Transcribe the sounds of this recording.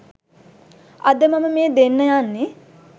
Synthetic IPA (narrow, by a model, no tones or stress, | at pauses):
ɐd̪əmɐməmeːd̪enːəjanːe